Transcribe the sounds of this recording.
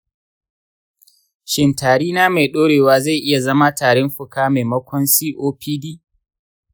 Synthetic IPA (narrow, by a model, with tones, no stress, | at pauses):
ʃɪ˨ntaː˨ɽiː˦naː˦ma˨ɗoː˦ɽeː˨waː˦za˦˨jʔɪ˦ja˨zɐ˦ma˦taː˨ɽɛ˦mɸʊ˨kaː˦ma˨mɐ˦kʷɔ˦nsiː˦ʔoː˦pʰiː˦diː˦